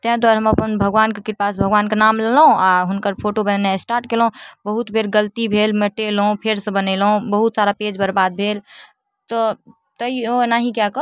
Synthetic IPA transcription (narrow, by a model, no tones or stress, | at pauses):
t̪ɛ̃ɦd̪waːɾɦəməpənbʱəɡʋaːnkekɪɾpasbʱəɡʋaːnkenamlelɦõaɦʊnkəɾpʰoʈobənnesʈaːɾʈkelɦũbəɦut̪bʱeɾɡəlt̪ibʱelmeʈelɦũpʰeɾsə̃bənelɦũbəɦut̪saɾaped͡ʒbəɾbad̪̚bʱeːl | t̪ɔ | t̪əionaɦĩkjakə